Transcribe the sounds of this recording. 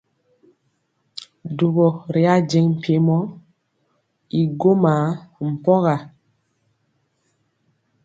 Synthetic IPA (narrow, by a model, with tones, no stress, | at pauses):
du˨ɣɔ˨ɾi˨a˦d͡ʒɛ˨ŋm̩˨pje˨˦mɔ˦ | i˨ɡo˦maː˨˦m̩˨pɔ˦ɣa˨